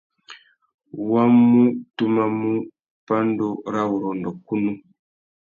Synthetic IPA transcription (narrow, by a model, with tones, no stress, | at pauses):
wa˦mu˦tu˦ma˦mu˦ | pa˦n˦do˦ɾa˦wu˨ɾɔ˨ndɔ˨ku˦nu˦